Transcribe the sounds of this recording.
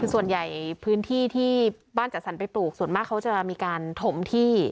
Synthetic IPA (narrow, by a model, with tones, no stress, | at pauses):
kʰɯː˧su˨˩ənja˨˩jpʰɯː˦˥nt̪ʰiː˥˩t̪ʰiː˥˩ | baː˥˩nt͡ɕa˨˩sa˩˦npa˧jpluː˨˩k̚su˨˩ənmaː˥˩kʰːa˦˥wt͡ɕa˨˩miː˧kaː˧nt̪ʰo˧˥mt̪ʰiː˥˩